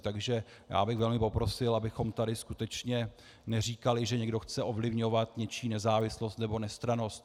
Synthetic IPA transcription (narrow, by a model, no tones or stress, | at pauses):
t̪aɡʒɛ | ja̰ːbɪɣvɛlmɪpo̞pɾo̞sɪlabɪxo̞mt̪adɪskut̪ɛt͡ʃɲɛ | nɛr̝iːkalɪʒɛɲɛɡdo̞xt͡sɛʔo̞vlɪvɲo̞vat̪ɲɛt͡ʃiːnɛzaːvɪslo̞st̪nɛbo̞nɛst̪ɾano̞st̪